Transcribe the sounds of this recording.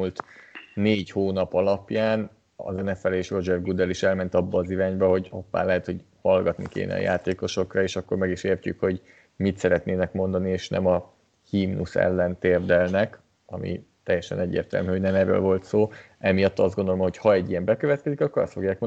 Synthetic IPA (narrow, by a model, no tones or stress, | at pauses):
ult̪neːɟhoːnɒpɒlɒpjaːn | ɒ̰zɛnɛfɛleːʃro̞d͡ʒɛvɡud̪ɛliʃɛlmɛn̪t̪ɒbːɒːziɾaːɲbɛɦo̞ɟɒpːa̰ːnlɛɦɛt̪ho̞ɟ | hɒlɡɒt̪nḭkḛːnɛ̰ɒ̰ja̰ːt̪eːko̞ʃo̞krɒeːʃɒkːo̞rmɛɡiʃeːrcykho̞ɟ | mit̪sɛɾɛt̪neːnɛkmo̞nd̪ɒnieːʃnɛ̰mɒ | himnusɛ̰lːɛnt̪eːrd̪ɛlnɛk | ɒ̰mḭt̪ɛjːɛʃɛ̰nɛɟːḛːrt̪ɛ̰lmyho̞ɟnɛmɛrːø̰ːlvo̞lt̪soː | ɛmijɒt̪ːɒzɡo̞nd̪olomho̞chɒɛɟːijɛmbɛkøvɛt̪kɛzikɒkːo̞ɾɒ̰st̪fo̞ɡjaːk̚mon